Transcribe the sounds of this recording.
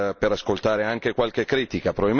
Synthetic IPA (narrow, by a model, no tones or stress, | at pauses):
peɾaskolt̪aːɾeaŋk̟ekwalk̟ekːɾiːt̪ikapɾovabi